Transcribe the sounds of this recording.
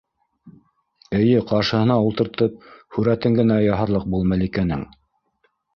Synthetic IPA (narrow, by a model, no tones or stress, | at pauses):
ɘ̆jɘqɑɾʃɤ̆hɤ̆nɑulˠt̪ɤ̆ɾt̪ɤp̚hʉɾæt̪ɘŋɡɘ̆næjɑɦɤ̆ɾlˠɤq̚bulˠmælikænɘ̰ŋ